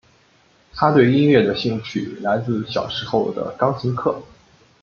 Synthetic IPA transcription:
t̪ʰa˥t̪we˥˧ɪi˥˧nɥɛ˥˩d̪ə˩ɕi˥˩ŋt͡ɕʰy˥˨˩la˧˥ɪt͡sɹ̩˥˧ɕjɑ̰˨˩ʊʂɻ̩˧˥xo˥˩ʊd̪ə̰˩kɑ˥ŋt͡ɕʰi˧˥ŋkʰɤ˥˩

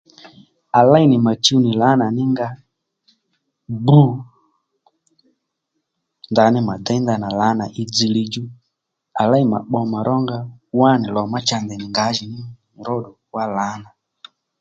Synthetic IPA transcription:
a˨la˦i˦˨nɪ˨ma˨t͡ʃi˦u˦ni˨la˨˦na˨nɪ˦ŋɡa˦ | bu˦ | nda˨˦nɪ˦ma˨da˦nd̪a˨na˨la˨˦na˨ʔi˦d͡zi˨˧li˦˧d͡ʒu˦ | a˨la˦i˨ma̰˨ɓɔ˧ma˨ɾʔɔ˦ŋɡa˦wa˦˨ni˨lɔ˨ma˦t͡ʃa˧nd̪ɛ˨ni˨ŋɡa˨˦ʒi˨nɪ˦˨ | ɾɔ˦˨ɗɔ˨wa˦la˨˦na˨

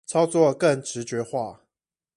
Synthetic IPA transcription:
t͡sʰɑ˥ʊt͡swɔ˥˨kə˥˨ŋʈ͡ʂɻ̩˨˦˥t͡ɕɥɛ˧˥xwa˥˩

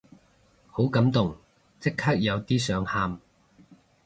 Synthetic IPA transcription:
ho˨˥wkɐ˨˥mt̪ʊ˨˩ŋ | t͡sɪ˥kʰːaː˥k̚jɐ˨˧wt̪iː˥sœː˨˥ŋhaː˧m

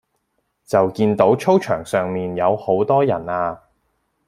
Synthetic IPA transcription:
t͡sɐ˨wkiː˧nt̪o˨˥wt͡ʃʰo˥wt͡ʃʰœː˨˩ŋsœː˨ŋmiː˨njɐ˨˧who˨˥wt̪ɔː˥jɐ˨˩naː˧

